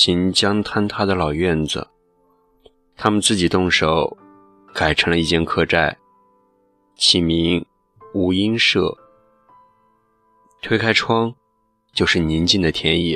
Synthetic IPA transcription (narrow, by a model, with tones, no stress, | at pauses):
ɕi˧˥nt͡ɕjɑ˥ŋt̪ʰa˥nt̪ʰa˥d̪ə˨lɑ˨˩ʊɥɛ˥˩nd͡zə̰˩ | t̪ʰa˥mə˨nt͡sɹ̩˥˩t͡ɕi˨˩t̪ʊ˥˩ŋʂo˨˧˩ʊ | ka˨˩ɪʈ͡ʂʰɤ˧˥ŋlə˧i˥˧˩t͡ɕjɛ˥˧nkʰɤ˥˧ʈ͡ʂa˥˩ɪ | t͡ɕʰi˨˩mi˧˥ŋ | u˧˥i˥nʂɤ˥˩ | t̪ʰwe˥ɪkʰa˥ɪʈ͡ʂʰwɑ˥ŋ | t͡ɕjo˥˧ʊʂɻ̩˥˩ni˧˥nt͡ɕi˥˩nd̪ə˩t̪ʰjɛ˧˥ni˥˩